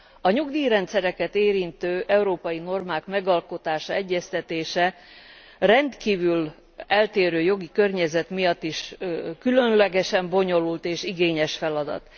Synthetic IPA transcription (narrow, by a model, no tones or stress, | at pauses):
ɒɲuɡd̪iːɾɛnt̪sɛɾɛkɛt̪eːɾint̪øːʔɛuɾoːpɒjino̞rmaːkmɛɡɒlko̞t̪aːʃɒɛɟːɛst̪ɛt̪eːʃɛ | rɛnt̪kiːvyl | ɛlt̪eːɾøːjo̞ɡikø̞rɲɛzɛt̪mijɒt̪ːiʃkylønlɛɡɛʃɛmbo̞ɲo̞lult̪eːʃiɡeːɲɛʃfɛlɒd̪ɒ̰t̪